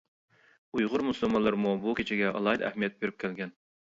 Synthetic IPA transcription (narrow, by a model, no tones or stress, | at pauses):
ujʁʊɾmusɨlˠmɑnlːˠɨɾmubukʲʰet͡ʃʰɪɡʲɛʔɑ̰lˠɑjd̪æ̰hmijɛt̪̚beɾyp̚kʲʰælɡʲɛn